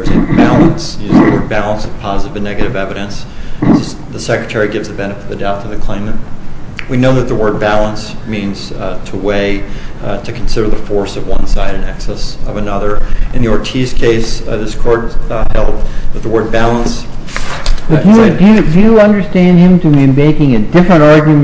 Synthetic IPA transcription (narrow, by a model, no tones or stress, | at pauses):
zɨbælˠə̃nsjʉzðəwɜ˞d̚bælˠə̃nsʌv̥pʰɑzəɾɨvɨnɛɡɨɾɨvɛvɨɾɨ̃nsɨ | ðɨsɛkɹɨtʰɛɹiɡɪvzðɨbɛnɨfɨt̪̚ðɨdaʊθʌvðɨkʰl̥ẽɪ̃mɨt̚winoʊðɨt̪̚ðəwɜ˞d̚bælˠə̃nsmĩnz̥tʰəweɪɾɨkʰn̩sɪɾə˞ðɨfɔɹsʌvwʌ̃nsaɪɾɨ̃nɛksɛsʌvɨnʌðə˞ʔɨ̃njə˞tʰiz̥kʰeɪsðɪskʰɔɹt̚hɛlˠd̪̚ðɨt̪̚ðəwɜ˞d̚bælˠə̃ns | b̥ʌd̥ɨjdɨjɨdɨjɨʌ̃ndə˞stæ̃nd̚ɪ̃mtʰɨmɨ̃nmeɪkɪ̃ŋɨdɪfɹɨ̃ñɑɹɡjɨm